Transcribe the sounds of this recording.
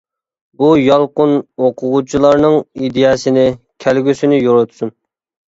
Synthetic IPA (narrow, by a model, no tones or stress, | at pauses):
bujɑlˠqʊnoqʰʊʁut͡ʃʰilˠɑɾnɨŋid̪ejɑsɪnɪ | kʲʰælɡʲysɪnɪjoɾut̪ʰu̥sun